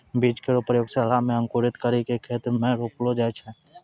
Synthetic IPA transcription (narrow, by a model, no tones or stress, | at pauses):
biːd͡ʒkeɾopɾəjoːɡsɛlamẽə̃ŋkuɾɪt̪kəɾikekʰeːt̪ɾmẽɾoːplod͡ʒɛːt͡ʃʰɛ̃